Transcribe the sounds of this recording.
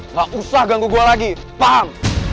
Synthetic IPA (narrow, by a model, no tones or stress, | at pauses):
ŋɡaʔusahɡaŋɡuɡualaɡi | paɦaŋ